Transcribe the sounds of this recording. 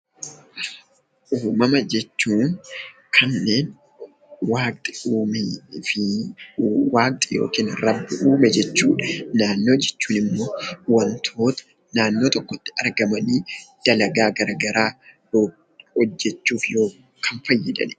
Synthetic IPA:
ʔuːmɐmɐd͡ʒɛt͡ʃːuːŋkʰɐnːe̞ːn | waːkt̪ʼɪːmfɪ | waːk̚t̪ʼɪjo̰ːkiːnɾɐbːɪʔuːmɛd͡ʒɛt͡ʃːuːᶑɐnaːnːo̞ːd͡ʒɛt͡ʃːuːnɪmːo̞ːwɐnt̪ʰo̞ːt̪ɐ̥ | naːnːo̞ːt̪ɔkːɔt̪ːɪ̥ɐɾɡɐmɐniːd̪̥ɐlɐɡaːɡɐɾɐɡɐɾaː | o | hɔd͡ʒːɛt͡ʃːuːfjo̞ː | kʰɐnfɐjːɪd̪ɐ̰nɛ̥

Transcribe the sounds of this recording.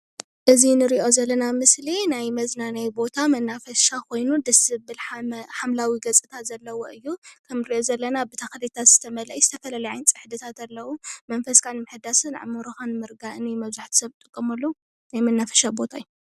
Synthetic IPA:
ʔɨzinɨɾiʔo̞zɐlːɐnamɨslinajmɐznanajbo̞t̪ʰamɐnːafɐʃakʰo̞jnud̪ɐsɨbɨlħamlawiɡɐt͡sʼɨt̪ʰat̪zɐlːɐwo̞ʔɨjːukʰɐmɾiʔo̞zɐlːɐnabɨt̪ʰaxlit̪ʰat̪z̥ɨt̪ʰɐmɐlɐʔjizɨt̪ʰɐfɐlalɐjajnt͡sʼɨ̥ħd̪ɨt̪ʰat̪ɐlːɐwumɐnfɐskʰanmɨħɨd̪asɨnʕɨ̰moɾoxanɨmɨɾɡaʔɨnjmɐβzaħt̪ʰi̥sɐβt̪ʼɨkʼːɐmɐlːɐwu | najmɐnːafɐ̥ʃabo̞t̪ʰaɨju

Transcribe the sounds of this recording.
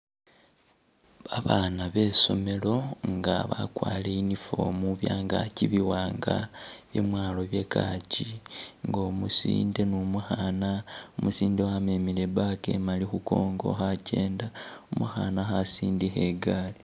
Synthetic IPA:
βaβanaβe̞so̞̰me̞lo̞ŋɡaβakwaːleinifo̞̰muβjaːŋɡa̰ciβiwaːŋɡa̰βje̞̰mwaːlo̞βje̞kaciŋɡomusḭːnde̞numuxanaomusiːndewamemilebake̞̰malixuko̞ːŋɡo̞̰xace̞ːndaomuxanaxasiːndixe̞ɡaːli

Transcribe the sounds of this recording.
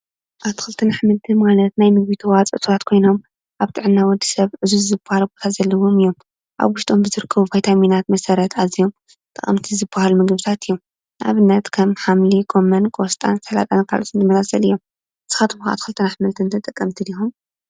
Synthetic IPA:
ʔat̪ʰxɨlt̪ʰɨnaħmɨlt̪ʰɨnmalɐt̪najmɨɡ̚βit̪ʰuwat͡sʼʔɨt̪ʰβat̪kʰo̞jno̞m | ʔaβt̪ʰɨʕɨnːawɔd̪ːisɐβʕɨzuzɨbahalbo̞t̪ʰazɐlːɐwomɨjːo̞m | ʔa̰βwʊʃt̪ʼombɨzɨɾɨkʰːɐβuvajt̪ʰaminat̪mɐsɐɾɐt̪ʰazio̞m | t̪ʼɐχʼɐ̰mt̪ʰizɨbːahalumɨɡβɨt̪ʰat̪ʰɨjːom | ʔa̰βɨnːɐt̪kʰɐmħamlikʰo̞mɐnkʼost̪ʼa̰nsɐla̰t̪ʼankʰa̰lʔot̪ɨnzɨmɐzasʼɐlɨjːom | z̥ɨxat̪ʰɨβuxa̰t̪xɨlt̪ʰɨnaħmɨlt̪ʰɨnt̪ʰɐt̪ʼɐkʼːɐmt̪ʰid̪ixum

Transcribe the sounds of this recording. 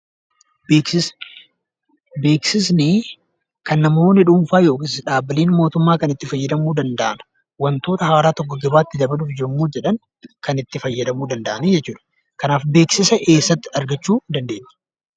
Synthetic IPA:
bɪs | be̞ːksɪs̬nɪ | kɐnːɐmo̞ːnːɪᶑuːɱfaːjo̞ːkɪsᶑaːbɪliːnmo̞ːt̪ʊmːaːkɐnɪt̪ːɪfɐjːɐd̪ɐmuːd̪ɐnd̪ɐʔɐnɐ̥ | wɐnt̪o̞ːt̪ɐhaːɾaːt̪ɔkːɔɡɐbaːt̪ːɪd̪ɐbɐlʊfd͡ʒɪɾmːuːd͡ʒɛᶑɐn | kɐnɪt̪ːɪfɐjːɐd̪ɐmuːd̪ɐnd̪ɐʔɐnid͡ʒɛtt͡ʃːuːᶑɐ̥ | kɐnaːfbe̞ːksɪsɐʔe̞ːsːɐt̪ːɪɐɾɡɐt͡ʃːuːd̪ɐnd̪e̞ːɲːɐ̥

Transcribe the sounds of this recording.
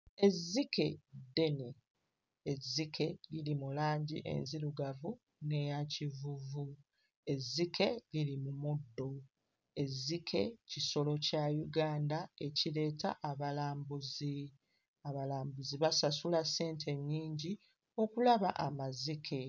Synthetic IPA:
e̞zːikʰe̞de̞neː | zːikʰe̞lilimulaːɲɟiʔe̞̰nziɾuɡavu | ne̞jacivuvu | e̞zːikʰe̞lilimumudːo̞ | e̞zːikʰe̞̰ciso̞lo̞cajuɡaːndae̞cile̞ːtʰa̰ʔːβalaːmbuzi | aβalaːmbuziβasasulase̞ːntʰe̞ɲːiːɲɟi | o̞kulaβa̰ʔamazikʰe̞

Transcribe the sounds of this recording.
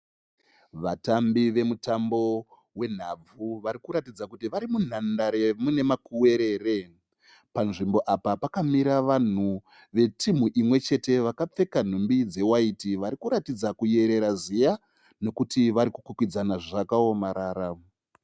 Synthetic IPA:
ʋatambiʋe̞mutambo̞ | we̞n̤ab͡vuʋaɾikuɾatid͡zakutiʋaɾimun̤andaɾe̞mune̞makuwe̞ɾe̞ːre̞ | panʐimbo̞ʔapapakamiɾaʋan̤u | ʋe̞tim̤uʔimwe̞t͡ʃe̞te̞ʋakap͡fe̞kan̤umbid͡ze̞waitiʋaɾikuɾatid͡zakuje̞ɾe̞ɾazija | ne̞kutiʋaɾikukukid͡zanaʐakao̞maɾaːɾa

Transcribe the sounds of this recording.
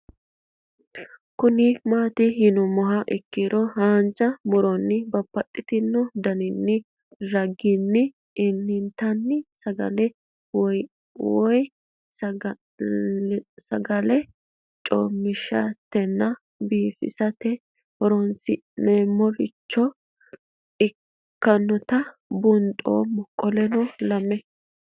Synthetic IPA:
kʊnɪmaːt̪ɪhɪnʊmɔɦɐʔɛkːɪɾɔhaːnt͡ʃɐmɔɾɔnːɪbɐpːɐt̪ʼːɪt̪ɪnːɔd̪ɐnɪnːɪ | ɾɐɡɪnːɪ | ɪnːɪnt̪ɐnːɪsɐɡɐ̰lɛ | w | wɔj | sɐɡɐlɛ | t͡ʃʼo̰ːmːɪʃat̪ːɛnːɐ | biːfɪ̰sɐt̪ɛ | hɔɾɔnsɪ | nemːɔɾɪt͡ʃːɔ | ɪ | kːɐnːɔt̪ɐbʊnt̪ʼo̰ːmɔkʼːɔlɛnɔlɐmɛ

